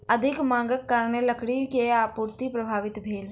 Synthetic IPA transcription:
əd̪ʱɪkmãːŋ̆ɡəkːaːɾneləkɽikeaːpuːɾt̪ipɾəbʱaːʋɪt̪bʱeːl

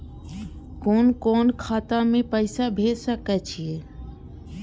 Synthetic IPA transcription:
koːnkoːnkʰaːt̪ãmẽpəɪsabʱeːsəkɛt͡ʃʰie

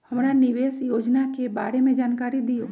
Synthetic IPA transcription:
hɐmɾanɪʋeːsjoːd͡ʒnakeba̰ːɾemẽd͡ʒaːnkaːɾid̪ijoː

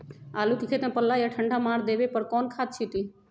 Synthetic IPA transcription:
aːlukikʰet̪ẽpəlːajaʈʰəɳɖʱamaːɾd̪eːbepəɾkɔːnkʰaːt̪̚t͡ʃʰit̪i

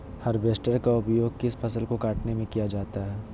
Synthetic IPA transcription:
hɐɾbeːsʈəɾkaʊpjoːɡ̚kɪspʰɐsəlkokaːʈnemẽkijad͡ʒaːt̪aɦɛː

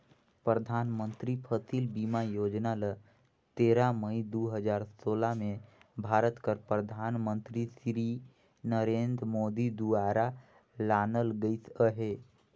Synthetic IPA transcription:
pɾəd̪ʱaːnmə̃nt̪ɾipʰət̪ʰiːlbiːmajoːd͡ʒnala | t̪eːɾaməid̪uːɦəd͡ʒaːɾsoːlamẽbʱaːɾət̪kəɾpɾəd̪ʱaːnmə̃nt̪ɾisɾi | nəɾeːnd̪ɾəmoːd̪id̪uaːɾa | laːnəlɡəisəɦeː

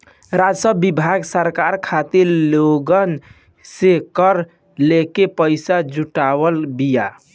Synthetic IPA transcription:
ɾad͡ʒsəbːibʱaɡsəɾkaɾkʰat̪iɾloɡən | sekəɾ | lekepəɪsad͡ʒuʈaβəlbija

